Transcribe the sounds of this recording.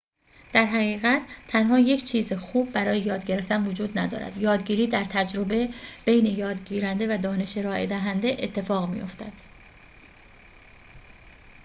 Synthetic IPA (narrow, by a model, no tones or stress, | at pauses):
d̪̥æɾɦæɣiːɣæt̪ʰt̪ʰænɦɒːjecʰt͡ʃʰiːzexuːb̚ːæɾɒːjejɒːd̪ɟe̞ɾe̞ft̪ænvod͡ʒuːd̪næd̪ɒ̰ːɾæ̰d̪̥jɒːd̪ɟiːɾiːd̪æɾt̪ʰæd͡ʒɾo̞be̞b̥e̞jne̞jɒːd̪ɟiːɾænd̪e̞væd̪ɒːne̞ʃeɾɒːʔḛd̪æɦænd̪e̞ʔet̪ʰːe̞fɒːɣmḭjo̞̰ft̪æd̪̥